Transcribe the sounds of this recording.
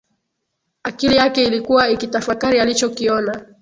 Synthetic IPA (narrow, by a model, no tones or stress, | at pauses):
akilijakɛilikuwaikitafakaɾialit͡ʃɔkiɔna